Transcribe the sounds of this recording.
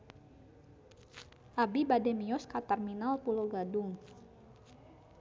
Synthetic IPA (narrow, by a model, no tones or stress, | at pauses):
ʔabibadɛmiɔskat̪ɛrminalpuloɡadʊŋ